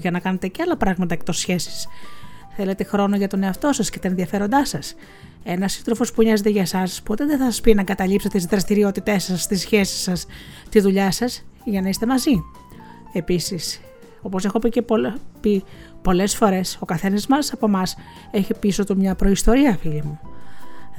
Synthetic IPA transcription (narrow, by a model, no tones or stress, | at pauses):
ʝɐnɐkɐnet̪e̞ceɐlɐpɾɐɣmɐt̪ɐek̚t̪o̞sçe̞si̥s | θe̞le̞t̪e̞xɾo̞no̞ʝɐt̪o̞ne̞ɐft̪o̞sɐscet̪ɐenðiɐfe̞ɾo̞nd̪ɐsɐs | e̞nɐsi̥st̪ɾo̞fo̞spuinɐzet̪eʝɐsɐspo̞t̪e̞ðeθɐsɐspinɐɡɐt̪ɐʎipset̪et̪izðɾɐst̪iɾio̞t̪it̪e̞sːɐst̪isçe̞si̥sːɐst̪izðuʎɐsɐsʝɐnɐist̪e̞mɐzi | e̞pisis | o̞po̞se̞xo̞picepopi | po̞le̞sfo̞ɾe̞so̞kɐθe̞nɐzmɐlsɐpo̞mɐs | e̞çipiso̞t̪umɲɐpɾo̞ist̪o̞ɾiɐfilimu